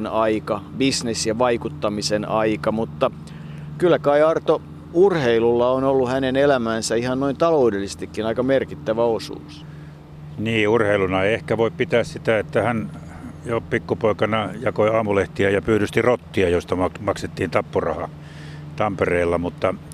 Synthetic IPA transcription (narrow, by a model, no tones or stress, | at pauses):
nɑikɑbisnesjɑʋɑikut̪ːɑmisenɑikɑmut̪ːɑ | kylːˑækɑiɑrt̪o | urheilulːɑonolːuhænenelæmæːnsæihɑnnoint̪ɑloudelːˑise̥st̪ikːinɑikɑmerkit̪ːæʋæosṵːs | niːurheilunɑeiehkæʋoippit̪æːssit̪æet̪ːæhæn | jopikːupoikɑnɑjɑkoiɑːmuleht̪iæjɑpyːɾyst̪irot̪ːiɑjost̪ɑmɑkmɑkset̪ːiːnt̪ɑpːurɑ̰hɑ | t̪ɑmpereːlːɑmut̪ːɑ